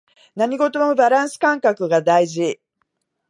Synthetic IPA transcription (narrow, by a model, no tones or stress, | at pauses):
naɲ̟iɡo̞t̪o̞mobaɾãɰ̃sɨ̥kãŋkakɯ̟ɡad̪aiʑi